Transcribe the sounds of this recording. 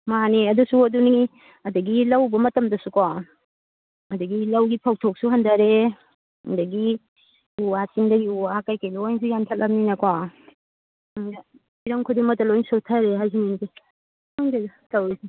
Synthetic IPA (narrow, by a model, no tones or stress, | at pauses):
maneɐdusuɐduni | ɐdɐɡilɐwbɐmɐtɐmdɐsukɔ | ɐdɐɡilɐwɡipʰaw̚tʰok̚suɦɐndɐɾe | ndɐɡi | uwat͡ʃiŋdɐɡiuwakajkajlojnsujantʰɐl̚ʔɐpm̚ninɐkɔ | ŋdɐ | iɾɐŋkʰudiŋmɐtːɐlojnsotʰɐɾeɦajzininzi | aŋdetawisi